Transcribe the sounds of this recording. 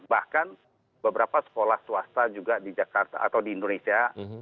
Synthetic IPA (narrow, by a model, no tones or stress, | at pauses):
bahkan | bəbəɾapasə̥kolahsuast̪ad͡ʒuɡadid͡ʒakart̪a̰ʔa̰t̪awdiːndonesia